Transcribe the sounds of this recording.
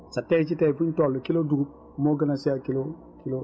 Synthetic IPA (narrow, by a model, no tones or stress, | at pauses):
satɛt͡ʃ̬itɛifutɔlːokiloduɡub̚ | moɡanasɛjakilo | kilo